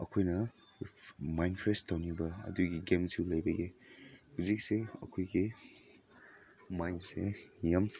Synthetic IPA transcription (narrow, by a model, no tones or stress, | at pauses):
ɐ̰kʰojnɐ | majnpʰɾestʰawnibɐɐ̰duɡiɡemsiwlɐjbɐɡihuzik̚seɐ̰kʰojɡi | majnsejam